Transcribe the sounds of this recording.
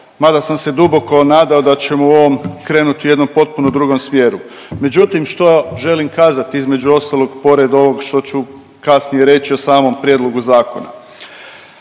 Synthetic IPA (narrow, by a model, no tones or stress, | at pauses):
mad̪asamse̞d̪ubo̞ko̞naːd̪ao̞d̪at͡ɕe̞muo̞ʋomkɾeːnut̪iuje̞d̪no̞mpo̞t̪̚punod̪ɾuːɡo̞msmje̞ːɾu | me̞d͡ʑut̪imʃt̪o̞ʒe̞limkaːzat̪iizme̞d͡ʑuo̞st̪alˠo̞ɡpo̞ɾe̞d̪o̞ʋo̞ɡʃt̪o̞t͡ɕu | kasnije̞ɾe̞t͡ɕiosaːmo̞mpɾjed̪lˠo̞ɡuzaːko̞̰na̰